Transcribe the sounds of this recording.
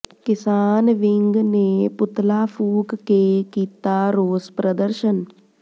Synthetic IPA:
kɪsaːnʋɪŋɡnepʊt̪lafʰuːkkekiːt̪aɾoːspɾəd̪əɾʃən

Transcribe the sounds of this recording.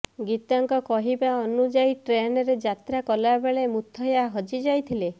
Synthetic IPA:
ɡit̪ɔŋkɔkɔɦibaɔnud͡ʒajʈɾenɔɾed͡ʒat̪ɾakɔlabeɭemut̪ʰːɔɦjaɦɔd͡ʒid͡ʒajt̪ʰile

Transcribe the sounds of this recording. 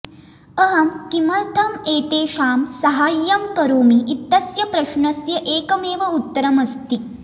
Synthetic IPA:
ɐɦɐmkimɐlt̪ʰɐmeːt̪eːʃaːmsɐɦaːjːɐmkɐɾoːmiːt̪ːɐsjɐpɾɐʃɳɐsjɐʔeːkɐmeːʋɐut̪ːɐɾɐmɐst̪i

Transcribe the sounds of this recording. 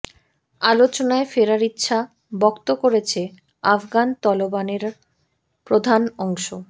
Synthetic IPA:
alot͡ɕonaefeɾaɾit̪ːɕʰa | bɔkt̪okoɾet͡ɕʰe | afɡant̪ɔlobaneɾ | pɾod̪ʱanɔŋʃo

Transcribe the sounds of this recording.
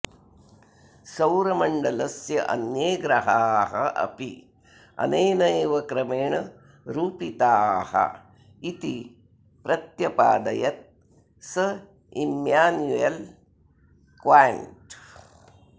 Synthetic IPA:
sɐwɾɐmɐɳɖɐlɐsjɐʔɐ̰njeːɡɾɐɦaːɦɐʔɐ̰pi | ɐ̰nɐːnɐeːʋɐkɾɐmeːɳɐ | ɾuːpit̪aːhɐ̰ | it̪i | pɾɐt̪jɐpa̰ːd̪ɐjɐt̪̚ | sɐ | imjaːnjujɐl | kʋaːjɐ̰ɳʈ

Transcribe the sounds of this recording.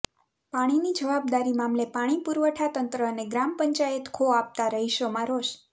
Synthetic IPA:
paɽ̃inid͡ʒəʋab̚d̪aɾimamlepaɽ̃ipuɾʋəʈʰat̪ənt̪ɾəːneɡɾampəɲt͡ʃajət̪kʰoap̚t̪aɾəɦiʃomãɾoʃ

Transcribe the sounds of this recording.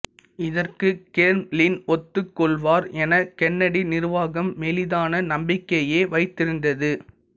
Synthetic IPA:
ɪðɐrkɯkeːɾmlɪnɔt̪ːɯkːɔɭʋaːɾɛnɐkɛnːɐɽinɪɾɯʋaːɣɐmːɛlɪðaːnɐnɐmbɪkːɐjeːʋɐɪt̪ːɪɾɯnd̪ɐðɯ

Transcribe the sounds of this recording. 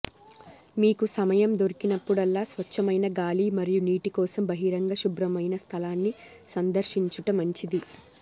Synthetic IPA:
miːkusɐmɐjɐmd̪oɾikinɐpːuɽɐlːaːsʋɐt͡ʃːɐmɐjnɐɡaːliːmɐɾijuniːʈikɔːsɐmbɐɦiɾɐŋɡɐʃubɾɐmɐjnɐst̪ʰɐlaːnːi | sɐnd̪ɐɾʃiɲt͡ʃuʈɐmɐɲt͡ʃid̪i

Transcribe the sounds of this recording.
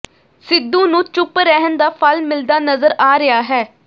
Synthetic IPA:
sɪd̪ːũːnũːt͡ʃʊpɾɛɦənd̪aːpʰəlmɪld̪aːnəzəɾaːɾɪjaːɦɛː

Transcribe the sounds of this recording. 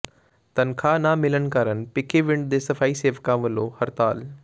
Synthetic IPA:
t̪ɐnkʰaːnaːmɪlənɪ̆kaːɾən̆pɪkʰeʋɪ̃ɳɖ̚d̪eːsɐfaːiseːʋkãːʋəlohɐɾt̪aːl

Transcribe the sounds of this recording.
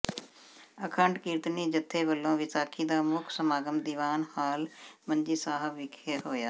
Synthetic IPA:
əkʰəɳʈkiːɾt̪niːd͡ʒət̪ʰːeːʋəlːõːʋɪsaːkʰiːd̪aːmʊkʰsəmaːɡəmd̪iːʋaːnhaːlməɲd͡ʒiːsaːɦəbʋɪkʰeːɦoːjaː

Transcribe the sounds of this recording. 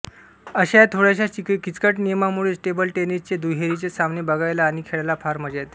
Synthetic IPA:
əɕajt̪ʰoɽjaɕat͡ɕikkit͡skəʈnijəmamuɭesʈebəlʈenist͡sed̪uɦeɾit͡ɕesamnebəɡajlaːñikʰeɭalapʰaɾməd͡ʑat̪

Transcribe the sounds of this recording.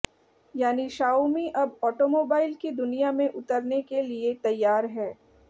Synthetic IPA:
jaːniʃaːumiʔɐbɔːʈomoːbaːɪlkid̪ʊnijamẽʔʊt̪əɾnekeliet̪ɐjːaːɾɦɛː

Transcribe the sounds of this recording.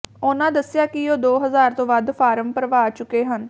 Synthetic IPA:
ʊnãːd̪əsɪjaːkɪoːd̪oːɦəzaːɾt̪õːʋad̪pʰaːɾəmpəɾəʋaːt͡ʃʊkːeːɦən

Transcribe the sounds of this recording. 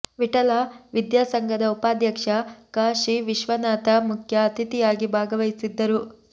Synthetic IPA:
ʋiʈɐlaːʋid̪jaːsɐŋɡʱɐd̪ɐupaːd̪jɐkʂɐkaːʃiʋiʃʋɐnaːt̪ɐmukʰjɐːt̪it̪ijaːɡibʱaːɡɐʋɐjsid̪ːɐɾu

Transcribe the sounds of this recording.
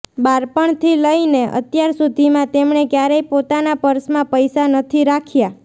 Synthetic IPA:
baɾpəɳt̪ʰiləjneʔə̰t̪jaɾsud̪ʱimãt̪emɳekjaɾejpot̪anapəɾsmãpəjsanət̪ʰiɾakʰja

